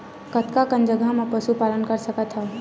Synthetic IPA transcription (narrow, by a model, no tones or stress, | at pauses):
kət̪kakə̃nd͡ʒəɡʱamepəsupaːlənkəɾsəkət̪ɦaː